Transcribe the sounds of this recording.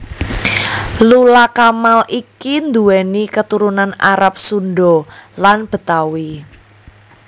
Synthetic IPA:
lulakamalʔikind̪uwɛnikət̪uɾunanaɾap̚sunɖɔlanb̥ə̤t̪awi

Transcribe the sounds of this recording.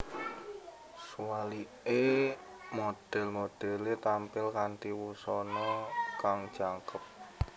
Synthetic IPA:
suali | e | mod̪̥ɛ̤lmod̪̥ɛlet̪ampɪlkant̪iwusɔnɔkaŋd̥ʒ̥aŋkəp̚

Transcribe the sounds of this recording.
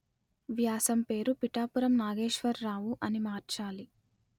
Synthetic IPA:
ʋjaːsɐmpe̞ːɾupiʈaːpuɾɐmnaːɡe̞ːʂʋɐɾːaːʋuʔɐnimaːɾt͡ʃaːli

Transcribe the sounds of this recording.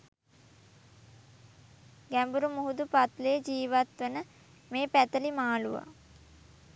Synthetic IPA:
ɡæmbuɾumuɦud̪upat̪ləjəd͡ʒiːʋat̪ʋənə | meːpæt̪əlimaːluʋa̰

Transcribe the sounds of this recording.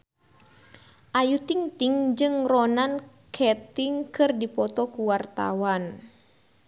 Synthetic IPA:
ʔajut̪ɪŋt̪ɪŋd͡ʒɨŋrɔnan | kʰɛt̪ɪŋkɨrdipɔt̪ɔkuwart̪a̰wan

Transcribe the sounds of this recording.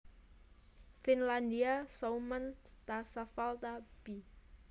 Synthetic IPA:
finland̪iasowmant̪asafalt̪ab̥i

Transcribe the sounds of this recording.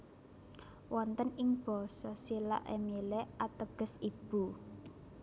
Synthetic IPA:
wɔnt̪ənɪŋb̥ɔsɔsila̰ʔḛmilɛʔat̪əɡ̥ə̤sib̥ṳ

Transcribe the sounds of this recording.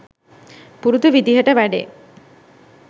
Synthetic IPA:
puɾud̪uʋid̪iɦəʈəʋæɖḛː

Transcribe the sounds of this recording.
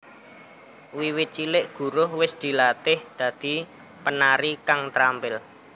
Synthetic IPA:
wiwɪt̪̚t͡ʃilɪʔɡ̥ṳɾʊhwɪsd̪̥i̤lat̪ɪhd̪̥ä̤d̪̥i̤ | pənaɾikaŋt̪ɾampɪl

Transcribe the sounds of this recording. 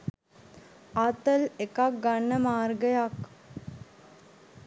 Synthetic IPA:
at̪əlekak̚ɡanːəmaːrɡəjak

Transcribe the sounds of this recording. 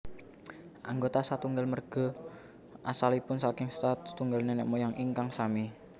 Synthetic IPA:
ʔaŋɡot̪asat̪uŋɡalmərɡ̥ɔ̤ | ʔasalipʊnsakɪŋst̪at̪ːuŋɡalnenɛ̰ʔmojaŋʔiŋkaŋsami

